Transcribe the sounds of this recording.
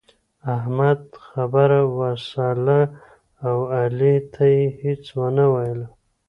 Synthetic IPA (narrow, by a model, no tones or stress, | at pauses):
ahmad̪xabaɾawasɑlaː | walit̪ʰajehet͡swənawajəla